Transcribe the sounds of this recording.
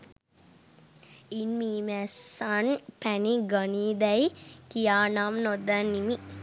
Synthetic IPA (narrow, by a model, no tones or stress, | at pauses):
inmiːmæsanpæniɡaniːd̪æjkijaːnamnod̪anːimi